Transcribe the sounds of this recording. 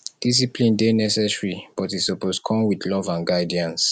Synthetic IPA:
d̥is̬ipʰlĩndenɛsɛsɹib̥ɔtisɔposkʰɔ̃mwidlɔvãnɡaɪdiãns

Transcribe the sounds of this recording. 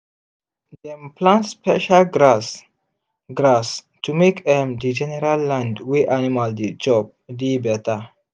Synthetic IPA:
d̪ɛ̃mplãnspɛ̰ʃalɡɾas | ɡɾas | tumekdɛ̃mdid͡ʒɛnɛɾalːãndweʔanimald̪id͡ʒɔb̚dibɛt̪a

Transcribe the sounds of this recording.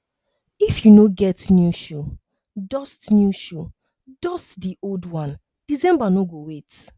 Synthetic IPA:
ifjunoɡɛtnjuʃo | dɔstnjuʃo | dɔstdiʔoldwãn | d̥isɛ̃mbanoɡowet

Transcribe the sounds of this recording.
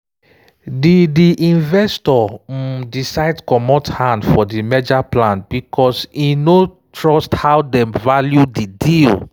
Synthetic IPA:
didiʔĩnvɛstɔ | disaɪdkɔmɔthãndfɔdimɛd͡ʒaplãnb̥ikʰɔsino | tɹɔsthawdɛ̃mvaljudidil

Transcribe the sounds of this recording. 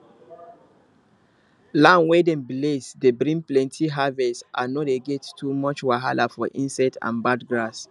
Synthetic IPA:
lãnwɛdɛ̃nblesdebɹĩnplɛ̃ntʰiɦavɛtʔanɔdeɡɛttʰːumɔt͡ʃwaɦalafɔʔĩnsɛtã̰nbadɡɹas

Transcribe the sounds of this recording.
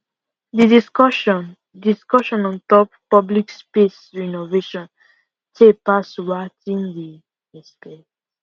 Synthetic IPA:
did | diskɔʃɔ̃nɔ̃ntɔpː | ɔblikspesɹinoveʃɔ̃n | tʰek̚pasɹatĩndi | ɛspe

